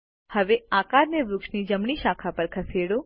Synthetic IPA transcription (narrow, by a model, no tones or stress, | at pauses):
həʋeakaɾneʋɾʊkʃnid͡ʒəmɳ̃iʃakʰapəɾkʰəseɽo